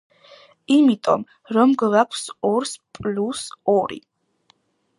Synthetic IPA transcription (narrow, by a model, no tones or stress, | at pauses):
imit̪ʼɔ̰m | ɾɔmɡvakʷʰsɔɾspʼlusɔɾḭ